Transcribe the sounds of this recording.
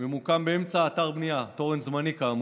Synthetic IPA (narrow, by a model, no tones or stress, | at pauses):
memukambeemt͡saːt̪aʁbnijat̪o̞ʁenzmanikam